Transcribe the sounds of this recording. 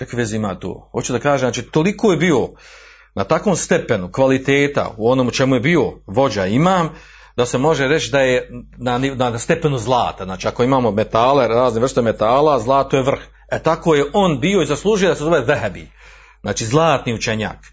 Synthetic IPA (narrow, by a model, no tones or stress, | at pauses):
kakiʋeziimaːt̪o̰ːhot͡ʃud̪akaːʒemnat͡ʃit̪o̞likoːjebiːo | nat̪akʋo̞mst̪epe̞nukʋalit̪eːt̪a̰uo̞noːmut͡ʃemuje̞bio̞ʋo̞d͡ʑaimaːm | d̪ase̞mo̞ʒeɾe̞t͡ʃd̪ajenaninast̪e̞pe̞nuzlˠa̰ːt̪aznaːt͡ʃiako̞imaːmo̞met̪aːleɾaːzneʋɾr̩st̪eme̞t̪aːlazlˠaːt̪ojeʋr̩x | et̪akojeʔo̞nbio̞izaslˠuːʒujd̪asezobeðɛɦɛbḭ | znaːt͡ʃiːzlˠaːt̪niut͡ʃe̞ɲa̰ːk